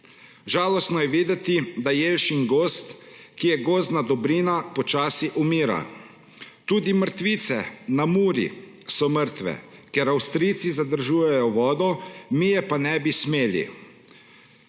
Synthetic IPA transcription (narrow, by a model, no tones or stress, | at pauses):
ʒaːlɔst̪nɔjɛʋiːd̪ɛt̪id̪ajeːlʃiŋɡoːst̪kijɛɡoːznad̪ɔbɾiːnapɔt͡ʃaːsiʔumiːɾa̰ | t̪uːd̪iməɾt̪ʋit̪sɛnamuːɾḭ | sɔməɾt̪ʋɛ̰keɾawst̪ɾit̪sizad̪əɾʒuːjɛjɔʋɔːd̪ɔmijɛpanɛbismeːlḭ